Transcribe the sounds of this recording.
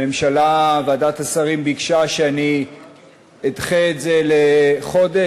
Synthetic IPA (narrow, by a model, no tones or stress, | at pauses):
emʃalaveadatasaʁimbikʃaʃeani | edχeːtzeleχo̞de